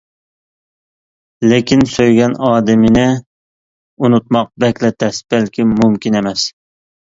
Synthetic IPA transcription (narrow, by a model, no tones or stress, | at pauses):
lɪkʲʰinsøjɡʲɛnɑːd̪ɪmɪnɪ | unut̪̚mɑq̚bɛkʲlɛt̪ʰɛsb̥ɛlkʲimumkʲinemɛs